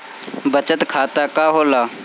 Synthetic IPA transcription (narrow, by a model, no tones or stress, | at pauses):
bət͡ʃət̪kʰaːt̪akaːɦoːlaː